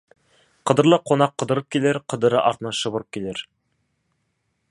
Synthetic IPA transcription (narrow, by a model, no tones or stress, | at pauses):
qɤ̆d̪ɤ̆ɾlˠɤqonɑqːɤ̆d̪ɤ̆ɾɤp̚kʲileɾqɤ̆d̪ɤ̆ɾɤʔɑɾt̪ɤnɑʃɤ̆βɤ̆ɾɤp̚kʲileɾ